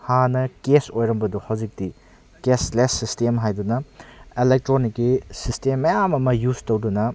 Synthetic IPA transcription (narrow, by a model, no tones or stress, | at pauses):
hanɐkesojɾɐmbɐduhawd͡ʒik̚ti | keslesːistemɦajdunɐelek̚tɾonikːisistemːɐjamɐmɐjuztowdunɐ